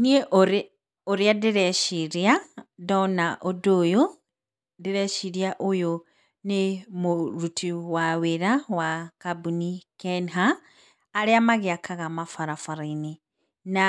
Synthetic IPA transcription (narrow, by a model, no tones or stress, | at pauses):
nieʔoɾ | oɾjadiɾeʃiɾjadonaʔodojo | diɾeʃiɾjaʔojo | nemuɾutʰiwaweɾawakabunikenɦaː | ɾiamaɣiakʰaɣamafaɾafaɾini | na